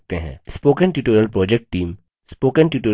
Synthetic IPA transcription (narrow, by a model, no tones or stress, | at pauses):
t̪eɦɛ̰̃ːspoːkə̃nʈjuːʈoːɾijəlpɾɔːd͡ʒɛk̚ʈ̚ːiːm | spoːkənʈjuːʈoː